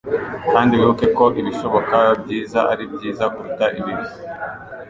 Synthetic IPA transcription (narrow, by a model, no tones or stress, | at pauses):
kaːndiβiukeko̞ʔiβiʃo̞βo̞kabɟiːzaʔaɾibɟiːzakuɾutaʔiβiɾi